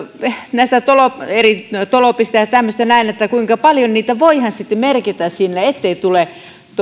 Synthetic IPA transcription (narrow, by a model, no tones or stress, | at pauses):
næist̪æt̪oloperit̪olopist̪ɑjɑt̪æmːøst̪ænæinet̪ːækuiŋkɑpɑljonniːt̪æʋoihɑnsit̪ːemerkit̪æssinːeet̪ːeit̪ule | t̪